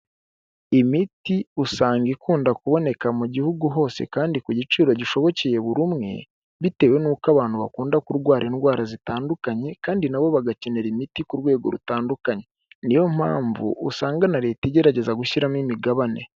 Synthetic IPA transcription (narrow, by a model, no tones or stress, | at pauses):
imitiusaːŋɡikuːndakuβo̞ne̞kamuɟihuɡuɦo̞ːse̞̰kaːndikuɟit͡ʃiːɾo̞ɟiʃo̞βo̞ceje̞βuɾumŋe̞̰ | βite̞ːwe̞nuːkaβaːn̥huβakuːndakuɾɡwaːɾʔenɡwaːɾazitaːndukaɲe̞kaːndinaβo̞βaɡace̞ne̞ɾimitikuɾwe̞ːɡo̞ɾṵtaːndukaɲe | nijo̞m̥ha̰ːɱvṵʔːsaːŋɡanaɾe̞ːteɟe̞ɾaɟe̞zaɡuʃiɾamimiɡaβane